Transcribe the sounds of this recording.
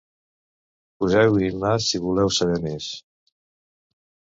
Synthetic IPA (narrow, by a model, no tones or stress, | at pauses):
puzɛwimasiβulɛwsaβɛmes